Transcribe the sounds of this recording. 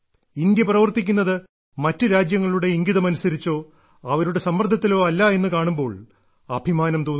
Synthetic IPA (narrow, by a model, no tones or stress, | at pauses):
ind̪jɐprɐʋɐrt̪ikʲːunːɐðɨ | mɐtːɨɾaːd͡ʑjɐŋːɐɭuɽe̞iŋɡiðɐmɐnusɐɾit͡ɕːo̞ː | ɐʋɐɾuɽe̞sɐmːɐrd̪ʱɐt̪ːilo̞ːɐlːɐe̞nːɨkaːɳumbo̞ːɭ | ɐbʱimaːnɐmt̪oːnː